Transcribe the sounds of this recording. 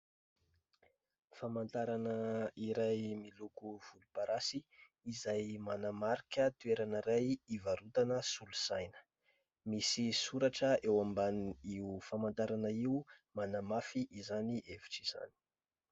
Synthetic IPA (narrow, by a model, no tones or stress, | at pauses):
famant̪aɾanəiɾajmilukuv̥ulupaɾʔasiː | zajmanamaɾikʲət̪ueɾanəɾajivaɾut̪anəsulusajnə̥ | misisuɾaʈ͡ʂəewambaniufamant̪aɾanəiumanamafiʔːzaniʔevi̥ʈ͡ʂiz̥a̰ni̥